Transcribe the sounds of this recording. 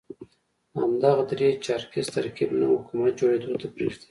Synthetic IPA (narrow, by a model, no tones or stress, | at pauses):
ha̰md̪ɑɣad̪ɾet͡ʃɑɾkizt̪aɾkibna̰hʊkumat̪̚d͡ʒoɽed̪ot̪ʰapɾḛʐd̪i̥